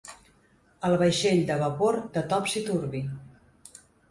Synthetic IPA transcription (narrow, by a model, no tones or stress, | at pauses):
əlˠβəjʃeʎd̪əβəpoɾd̪ət̪ɔpsit̪uɾβi